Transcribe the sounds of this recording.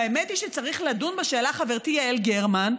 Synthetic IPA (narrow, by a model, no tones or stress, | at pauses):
aemetiʃet͡saʁiχladunbaʃe̞ːlaχaveʁt̪ijaelɡeʁman